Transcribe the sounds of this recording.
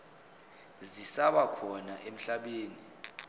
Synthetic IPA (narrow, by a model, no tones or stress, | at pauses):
zisaɓakʰɔnaʔem̩ɬaɓeːni